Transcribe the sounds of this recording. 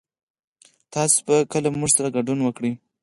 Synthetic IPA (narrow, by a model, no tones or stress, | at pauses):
t̪ɑsʊ̥bakəlamuʐsaɾaɡaɖunwəkɽi